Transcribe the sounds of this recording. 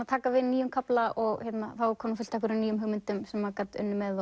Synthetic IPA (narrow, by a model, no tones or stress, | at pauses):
aðt̪ʰaːkavɪðniːjʏmkʰaplaʔɔɣhɛt̪naθawkʰɔːnɪfʏlt̪ʰakʏɾɪniːjʏmɦʏɣmɪnt̪ʏmsɛmvakat̪ʏ̰nːʏmɛð